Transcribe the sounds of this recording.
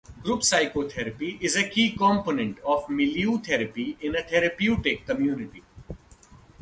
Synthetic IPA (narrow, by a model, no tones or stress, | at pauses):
ɡɾuːpsaɪkoːt̪ʰɛɾəpiʔɪzəkiːkɔ̃ːmponə̃ɳʈɔːfmɪljuːt̪ʰɛɾəpiɪ̃nət̪ʰɛɾəpjuːʈɪkːəmjuːnɪʈi